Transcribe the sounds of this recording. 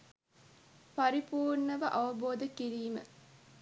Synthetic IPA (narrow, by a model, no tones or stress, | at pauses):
pɐɾipuːrɳəʋəʔɐʋɐboːd̪əkiɾiːmə̰